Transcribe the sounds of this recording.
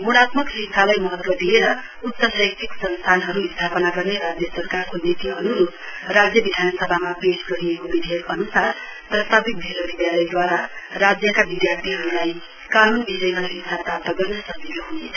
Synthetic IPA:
ɡuɽ̃at̪mʌksit͡sʰalajmʌɦʌt̪wʌd̪ʱieɾʌ | ut̪sʌsajk̚t̪ʰiksʌnst̪ʰanɦʌɾuist̪ʰapʌnaɡʌrneɾad͡zjʌsʌrkarkonit̪iɦʌɾuɾorad͡zjʌbid̪ʱanʌsʌbʱamapesɡʌɾiekobid̪ʱekʌnusar | prʌst̪ʰabik̚b̪ʱeloɾid̪jalʌjd̪waɾarad͡zjʌkabid̪jart̪ʰiɦʌɾulaj | kanunbisʌjmasisʰat̪at̪ːʌɡʌrnʌsʌbilʌɦunet͡sʰʌ

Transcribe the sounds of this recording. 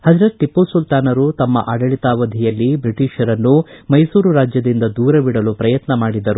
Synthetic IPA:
hɐd͡ʒɾɐʈːipːusult̪aːnɐɾut̪ɐmːɐ̰ʔaːɽɐɭit̪aːʋɐd̪ʱijɐlːibɾiʈiːʃɐɾɐnːumɐjsuːɾuɾaːd͡ʒjɐd̪ind̪ɐd̪uːɾɐʋiɽɐlupɾɐjɐt̪nɐmaːɽid̪ɐɾu

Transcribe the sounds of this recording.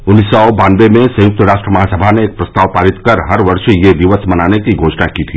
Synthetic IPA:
ʊnːiːsːɔbaːnʋemẽsɐ̃jʊk̚t̪əɾaːʃʈɾəmɐɦasəbʱaneːk̚pɾɐst̪aːʋpaːɾɪt̪kɐɾɦɐɾʋɐɾʃjeʋiʋət̪sʰmɐnaːnekiɡoːʃnakiːt̪ʰiː

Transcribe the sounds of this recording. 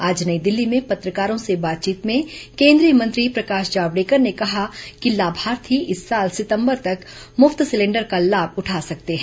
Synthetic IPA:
aːd͡ʒnɐid̪ɪlːimẽpɐt̪ɾəkaːɾõsebaːt̪̚t͡ʃiːt̪mẽkẽːnd̪ɾijəmɐ̃nt̪ɾipɾɐkaːʃd͡ʒaːʋɽeːkəɾnekɐɦakilaːbʱaːɾt̪ʰiʔɪsːaːlsɪt̪ə̃mbəɾt̪ɐk | mʊft̪sɪlẽːɳɖəɾkalaːb̚ʱʊʈʰaːsɐk̚t̪eɦɛ̃ː

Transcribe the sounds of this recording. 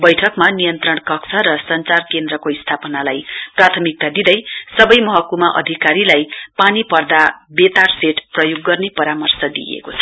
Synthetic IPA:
bʌjʈʰʌkmanijʌnt̪rʌɳkʌksʰʌɾʌsʌnt͡sarkend̪ɾʌkoist̪ʰapʌnalajprat̪ʰʌmik̚t̪ad̪id̪ʌjsʌbʌjmʌɦʌkumaʔʌ̰d̪ʱikaɾilajpanipʌrd̪abet̪arseʈprʌjuɡːʌrnepʌɾamʌrsʌd̪ḭjḛkot͡sʰʌ̥

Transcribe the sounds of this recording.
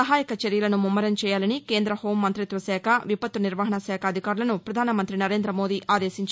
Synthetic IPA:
ɐɦaːjikɐt͡ʃeɾjɐlɐnumumːɐɾɐmt͡ʃɛːjaːlɐnike̞ːnd̪ɾɐho̞ːmːɐnt̪ɾit̪ʋɐsɛːkʰɐʋipɐt̪ːuniɾʋaɦɐɳɐsɛːkʰɐːd̪ʱikaːɾulɐnupɾɐd̪ʱaːnɐmɐnt̪ɾinɐɾe̞ːnd̪ɾɐmo̞ːd̪iːʔʔaːd̪eːsiɲt͡ʃ

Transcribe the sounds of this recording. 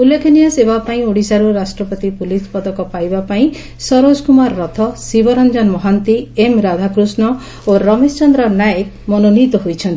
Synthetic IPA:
ulːekʰenijasebapaĩoɽisaɾuɾasʈɾɔpɔt̪ipulispɔd̪ɔkɔpajbapaĩ | sɔɾod͡ʒkumaɾːɔt̪ʰɔsibɔɾɔnd͡ʒɔnmɔɦant̪iemɾad̪ʱakɾusnɔ | oɾɔmest͡ʃɔnd̪ɾɔnajek | mɔnonit̪ɔɦojt͡ʃʰɔnt̪i

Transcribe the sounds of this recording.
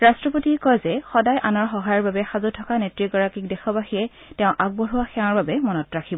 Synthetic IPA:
ɹastɹɔpotikɔjzɛxɔdajʔanɔɹxɔɦajɔɹbabɛxazutʰɔkanetɹiɡɔɹakik̚dɛxʰɔbaxiɛ | tɛʊ̃ʔak̚bɔɹuwaxɛ̃ãɹbabɛmɔnɔtɹakʰibɔ

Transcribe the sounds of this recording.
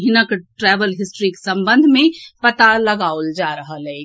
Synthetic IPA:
ɦɪnəkʈɾɛːʋəlɦɪsʈɾiksə̃mbə̃nd̪ʱmẽpət̪aləɡaːold͡ʒaːɾəɦəlɛ

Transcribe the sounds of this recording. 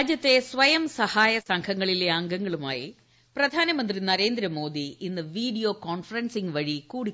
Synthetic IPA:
d͡ʑjɐt̪ːe̞sʋɐjɐmsɐhaːjɐsɐŋkʰɐŋːɐɭileɐŋɡɐŋːɐɭuma̰ːjḭ | prɐd̪ʱaːnɐmɐnd̪rinɐɾe̞ːnd̪ɾɐmo̞ːd̪iinːɨʋiːɖijo̞ːkoːnfɐrɐnsiŋʋɐɻikuːɽik

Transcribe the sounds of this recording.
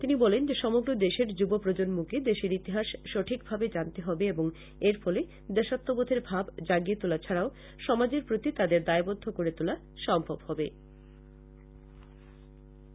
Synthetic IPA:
t̪inibɔlend͡ʑeʃɔmoɡɾod̪eʃeɾd͡ʑubopɾod͡ʑonmuked̪eʃeɾit̪iɦaʃʃoʈʰik̚bʱabed͡ʑant̪eɦɔbeeboŋ | eɾfɔle | d̪ɛʃot̪ːobod̪ʱeɾbʱabd͡ʑaɡiet̪ulat͡ɕʰaɾao | ʃɔmad͡ʑeɾpɾot̪it̪ad̪eɾd̪aebod̪ʱːokoɾet̪ula | ʃɔmbʱobhɔbe

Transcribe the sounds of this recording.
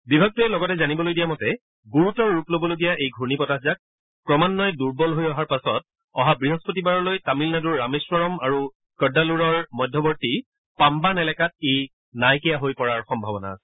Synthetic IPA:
bibʱak̚tuɛlɔɡɔtɛzanibɔlojdijamɔtɛ | ɡuɹutɔɹːuplobɔloɡijaʔejɡʱuɹnipɔtaɦzak̚ | pɹɔmanːɔjɛduɹbɔlɦojɔɦaɹpasɔt̚ | ɔɦabɹiɦɔspotibaɹɔlojtamilnaduɹːameswɔɹɔmaɹu | kɔdaluɹɔɹmɔjdʱːɔbɔɹti | pambanɛlɛkat̚ej | najkɛjaɦojpɔɹaɹxɔmbʱabɔna̰

